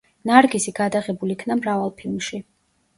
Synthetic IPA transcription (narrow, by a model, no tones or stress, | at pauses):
naɾɡisiɡad̪aʁɛbulikʰnamɾavalˠpʰilˠmʃi